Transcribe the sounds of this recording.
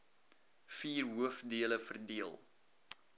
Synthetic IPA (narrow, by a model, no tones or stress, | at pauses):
fiːrɦuəfdiələfərdiəlˠ